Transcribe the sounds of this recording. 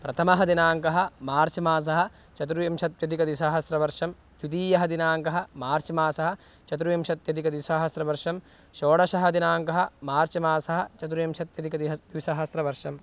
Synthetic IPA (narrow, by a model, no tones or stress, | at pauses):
pɾɐt̪ʰɐmɐɦɐd̪inaːŋkɐɦɐ̆maːɾt͡ʃɐmaːs̬ɐɦɐ̆ | t͡ʃɐt̪ɾujɐmʃɐt̪̚jɐd̪ikɐd̪isaːɦɐsɾɐʋɐɾʂɐm | t̪ut̪iːjɐɦɐd̪inaːŋkɐɦɐ̆maːɾt͡ʃɐmaːsɐɦɐ̆ | t͡ʃɐt̪̬ɾujɐmʃɐt̪jɐd̪ikɐd̪isaːɦɐsɾɐʋɐɾʂɐm | ʃoːɽɐʃɐɦɐd̪inaːŋkɐɦɐmaːɾt͡ʃɐmaːsɐɦɐ̆t͡ʃɐt̪̬ɾujɐmʃɐt̪jɐd̪ikɐd̪iɦɐʋisaːɦɐsɾɐʋɐɾʂɐm